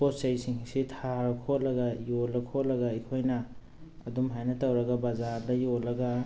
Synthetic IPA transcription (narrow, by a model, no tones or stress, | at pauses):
posɐjsiŋsitʰaɾɐkʰot̚lɐɡɐjolɐkʰot̚lɐɡɐikʰojnɐː | dumɦajnɐtɐwɾɐɡɐbɐzaɾdɐjolɐɡɐ